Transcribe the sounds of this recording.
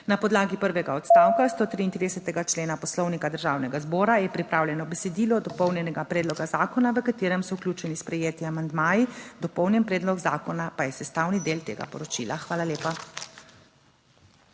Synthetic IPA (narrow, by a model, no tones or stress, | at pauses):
napɔd̪laːɡipəɾʋɛɡaɔt̪st̪aːwkast̪oːt̪ɾiːnt̪ɾiːd̪ɛsɛt̪ɛɡat͡ʃleːnapɔslɔwnikad̪əɾʒaːwnɛɡazbɔːɾajɛpɾipɾaːwlʲjɛnɔbɛsɛd̪iːlɔd̪ɔpɔwnjɛnɛɡapɾɛːd̪lɔɡazaːkɔnaʋəkat̪eːɾɛmsɔuklʲuːt͡ʃɛnispɾɛjeːt̪iamand̪maːjid̪ɔpɔwnjɛnpɾɛːd̪lɔkzaːkɔnapajɛsɛst̪aːwnid̪eːlt̪ḛːɡa̰pɔ̰ɾɔt͡ʃḭːlaxʋaːlaleːpa